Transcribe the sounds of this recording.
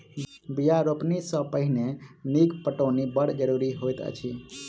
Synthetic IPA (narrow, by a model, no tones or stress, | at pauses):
bijaɾopnisə̃pəɦineniɡpəʈonibəɽ̤d͡ʒəɾuɾiɦojt̪ə̰t͡ʃʰi